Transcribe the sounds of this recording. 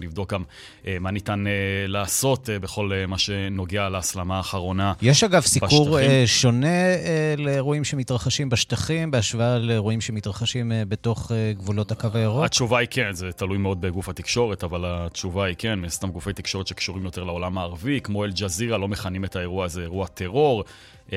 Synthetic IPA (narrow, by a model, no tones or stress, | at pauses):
livd̪o̞k̚ɡam | ʔemanit̪anelaːso̞tebeχo̞lmaʃe̞no̞ɡealaːslamaːχaʁo̞najeʃaɡavsibauʁʃo̞ne̞leʁuimʃemitʁaχaʃimbaʃt̪aχimbeaʃvealeʁuimʃe̞mit̪ʁaχaʃimbet̪o̞χeɡvulo̞thakavajaʁoat͡ʃuvaikenzet̪alujmeo̞d̪̚beɡufhat̪ikʃo̞ʁetavalat͡ʃuvaikenminast̪amɡufejt̪ikʃo̞ʁe̞t̪ʃekʃuʁimjo̞t̪e̞ʁleo̞lamaːʁvikmo̞eld͡ʒaziʁalo̞meχanimetaeʁuaːzeːʁuat̪ʰe̞ʁo̞ʁ